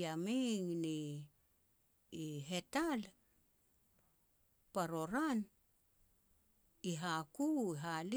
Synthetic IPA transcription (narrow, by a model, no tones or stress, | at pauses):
amiŋni | iɦe̞tal | paɾo̞ɾan | iɦakuiɦali